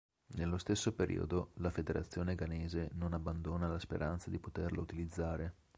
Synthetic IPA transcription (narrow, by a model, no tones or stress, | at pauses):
nelːost̪esːopeɾʔḭːo̰d̪olafed̪eɾʔat̪sːjoːneɡaneːzenonabːand̪oːnalaspḛɾʔant̪sad̪ipot̪erla̰ut̪ilid̪zːaːɾe